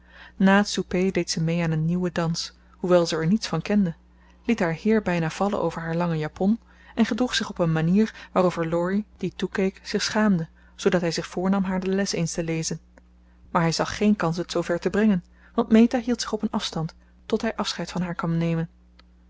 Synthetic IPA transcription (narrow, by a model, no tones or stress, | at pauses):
naːtsupejdejtsəmejaːnənːiwədɑns | huʋɛlˠzəɛɹnitsfɑnkɛndə | litɦaːɹhɪːɹbɛjnaːv̥ɑlə̰nʔo̰wvəɹɦaːɹlɑŋəjapʰɔn | ɛnχədruχsɪχɔpənmaniːɹʋaːrovəɹlɔɹid̥itukejkz̥ɪχsχaːmdə | z̥owdɑtɦɛjzɪχfʊːɹnɑmɦaːɹdəlɛsejnstəlejzən | maːɹɦɛjzɑχːejnkɑnsətsowvɛɹtəbrɛŋən | ʋɑntmejtaɦilˠtsɪ̥χɔpənɑfstɑntː | ɔtɦɛjʔɑfsχɛjtfɑnɦaːɹkɑmnejmən